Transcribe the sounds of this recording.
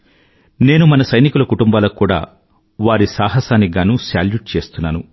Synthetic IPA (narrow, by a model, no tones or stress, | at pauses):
ne̞ːnumɐnɐsɐjnikulɐkuʈumbaːlɐkːuːɽa̰ː | ʋaːɾisaːɦɐsaːniɡaːnuːsaːljuʈ̚t͡ʃe̞ːst̪unːaːnu